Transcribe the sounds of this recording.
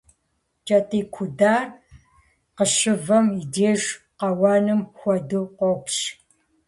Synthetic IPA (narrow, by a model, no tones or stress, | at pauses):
t͡ʃʼɐtʼiːkʷʰʊdaːr | qəʃɨvɐmideːʒ | qɐwɑːnɨmxʷɔdɨqʷɔpɕ